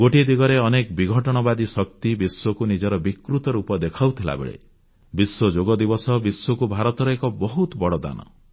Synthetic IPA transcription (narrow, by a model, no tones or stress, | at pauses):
ɡ̥oʈid̪iɡɔɾeɔnekbiɡʱɔʈɔɽ̃ɔbad̪isɔk̚t̪ibiswɔkunid͡ʒɔɾɔbikɾut̪ɔɾupɔd̪ekʰawt̪ʰila̰bḛɭḛ | biswɔd͡ʒoɡɔd̪ibɔsɔbiswɔkubʱaɾɔt̪ɔɾɔekɔbɔɦut̪bɔɽɔd̪a̰nɔ̰